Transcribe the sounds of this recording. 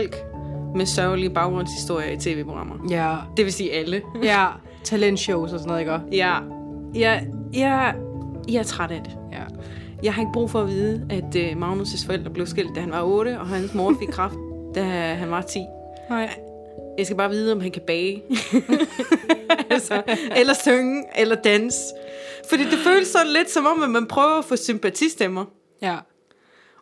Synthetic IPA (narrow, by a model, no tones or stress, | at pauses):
l̰ɡ̥mesɶʊlib̥ɑ̈ʊɡ̥ʁɔ̽n̰shisd̥o̝ɐ̰jɐit͡sʰe̝ːʋe̝̰ːpʰo̝ɡ̥ʁɑ̈m̰ʔɐd̥e̝ʋe̝siːælə | t͡sʰælend̥ɕoʊsɒsɔnoðˠiɡ̥ɶɐjæ | jɑjɑ | jɑ̈æɐt͡sʰʁaɾ̥æd̥e̝ | jɑ̈ɪɦɑ̈e̝ɡ̥əb̥ʁṵːfɒ̽æʋiːðˠəæd̥əmɑ̈ʊnusəsfɒ̽el̰d̥ʁɐb̥le̝ʊsɡ̥el̰d̥æhænʋɑ̈ɔ̽ːɾəɒ̽ɦænsmo̝ːɐfeɡkʰʁɑ̈fd̥̚d̥æɦænʋɑ̈t͡sʰḭː | jɑɪsɡæb̥ɑ̈ːʋiːð̞ˠəɒ̽mɦænkʰæb̥ɛː | ælsɒelɐsøŋʔelɐd̥ænsfɒ̽d̥ḭːd̥e̝føːləsːɒ̽dnn̩le̝d̥sɒ̽mɒ̽m̰æmænpʰʁœːʊɐæfɔ̽sympʰæt͡sʰisd̥emɐ